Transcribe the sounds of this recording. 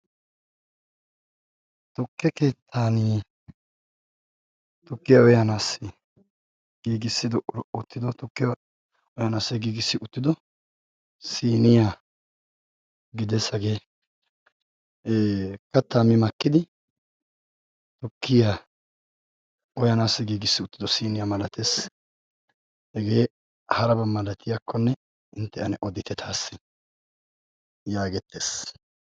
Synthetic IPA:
t̪ɔkːɛke̞ːt̪ʰːaːni | t̪ʊkːɪjaɔjanaːsːɪ | ɡ̥iːɡɪsːɪd̪ɔʔʊt̪ːɪd̪ɔt̪ʊkːɪja | ɔjɐnaːsːɛɡiːɡɪsːɪʊt̪ːɪd̪ɔ | siːnɪja | ɡɪd̪ɛsːɐɡe | kɐt̪ːaːmɪmɐkːɪd̪ɪ | t̪ɔkːɪja | ʔɔjɐnaːsːɛɡiːɡɪsːɪʊt̪ːɪd̪ɔsiːnɪjamɐlɐt̪ʰes | hɛɡe̞ː | hɐɾɐbɐmɐlɐt̪ɪjakʰːɔnːɛ | ɪnt̪ːɛɐnɛʔɔd̪ɪt̪ɛt̪ʰaːsːɪ | jaːɡɛt̪ːeːs

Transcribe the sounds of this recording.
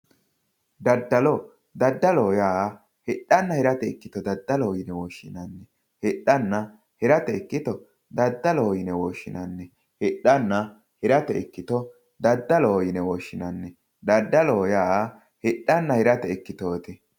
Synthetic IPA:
d̪ɐd̪ːɐlɔ | d̪ɐd̪ːɐloːjaː | hɛɗɐnːɐhɪɾɐt̪ɛɛkːɪt̪ɔd̪ɐd̪ːɐloːjɪnɛwoːʃːɪnɐnːɛ | hɛɗːɐnːɐ | hɛɾɐt̪ɛɛkːɪt̪ɔ | d̪ɐd̪ːɐloːjɪnɛwoːʃːɪnɐnːɛ | hɪɗːɐnːɐ | hɪɾɐt̪ɛɛkːɪt̪ɔ | d̪ɐd̪ːɐloːjɪnɛwoʃːɪnɐnːɛ | d̪ɐd̪ːɐloːjaː | hɛɗːɐnːɐhɪɾɐt̪ɛɛkːɪt̪oːt̪ɛ

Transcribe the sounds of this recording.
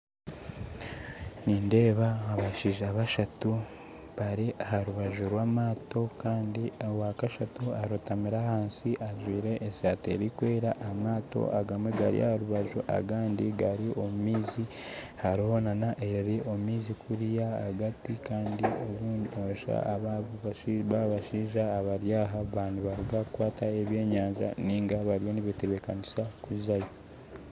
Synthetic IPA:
niːnde̞ːβaaβaʃiʒeaβaʃatu | βaɾiʔahaɾuβaʒuɾwaːmaːto̞kaːndiawakaʃatuaɾutamiɾahaːnsiʔaʒwiːɾe̞ʔːsaːtḛɾikwe̞ːɾaʔamaːto̞̰ʔaɡamweɡa̰ɾḭʔa̰haɾuβaʒuʔa̰ɡaːndiɡaɾiʔo̞mumiːzihaɾoonanaʔe̞ɾeɾeʔo̞mumiːzikʰuɾijaa̰ɡatikaːndioβuːdoʃa̰aβa | βaβaʃiːʒaːβaɾjaːɦaβaːndiβaɾiɡakwaːtʰaeβje̞ːɲaːɲʒa̰niŋɡaβaɾijo̞niβiteβekanisakuzajo

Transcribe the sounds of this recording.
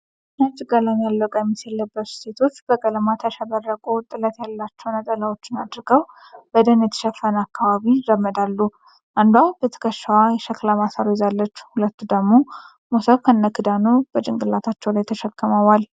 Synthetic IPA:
nat͡ʃʼɪɡəlamjalːəkʼajɛmːiselːəbːət̪u̥se̞t̪ʰo̞t͡ʃːb̥əkʼələmat̪ʰaʃəβərːəkʼot̪ʼɨlət̪jalːat͡ʃːɛwnət̪ʼəlawo̞t͡ʃːɪnad̪ɾɨɡəw | bəd̪ənjɛt̪ʰə̥ʃəfːənakːaβaβidəmːəd̪alːu | ʔand̪wawb̥ət̪ʰə̥kʰəʃwajɛʃəklamasaɾojzalːət͡ʃːhulət̪ːud̪əɡmo̞ | mosəβkʰənːəkɨd̪anob̥ət͡ʃʼɪŋɡʼɨlːat̪ʰat͡ʃːɛwlajt̪ʰəʃəkːəməwal

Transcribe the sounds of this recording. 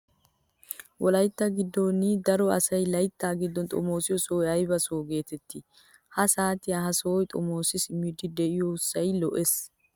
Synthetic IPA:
wʔɔlɐjt̪ːaɡɪd̪ːonɪd̪ɐɾɔɐ̰sɐjlɐjt̪ːaːɡɪd̪ːɔnt̪ʼɔ̰mo̞ːsɪjɔsoːjɐjbɐsoːɡe̞ːt̪ɛt̪ːɪ | hɐsaːt̪ɪjahɐsoːjt̪ʼɔmo̞ːsɪsɪmːid̪ɪd̪ɛʔɪjoʊsːɐjlɔʔes

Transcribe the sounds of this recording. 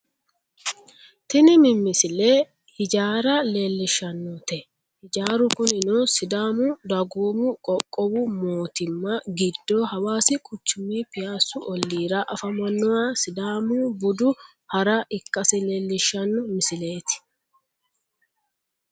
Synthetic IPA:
t̪ɪnɪmɪmːɪsɪle | hɪd͡ʒaːɾɐle̞ːlːɪʃːɐnːɔt̪ɛ | hɪd͡ʒaːɾʊkʊnɪnɔsɪd̪aːmʊd̪ɐɡuːmʊkʼɔkʼːɔbʊmoːt̪ɪmːɐɡɪd̪ːoːhɐwaːsɪkʼʊt͡ʃːʊmːiːpɪjaːsʊʔɔlːiːɾɐʔɐfɐmɐnːɔwaːsɪd̪aːmʊbʊd̪ʊ | hɐɾɐʔɪkʼːɐsɪle̞ːlːɪʃːɐnːɔmɪsɪleːt̪ɪ̥

